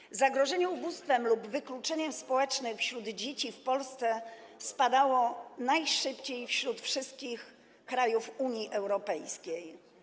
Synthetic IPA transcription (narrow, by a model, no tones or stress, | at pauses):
zaɡɾɔʐɛɲɛubust̪fɛmlubvɘklut͡ʂɛɲɛmspɔwɛt͡ʂnɘxfɕɾud̪d͡ʑet͡ɕifpɔlst̪sɛ | spad̪awɔnajʂɘpt͡ɕejfɕɾut̪fʂɘst̪̚kʲix | kɾajufuɲiʔɛwɾɔpɛjskʲej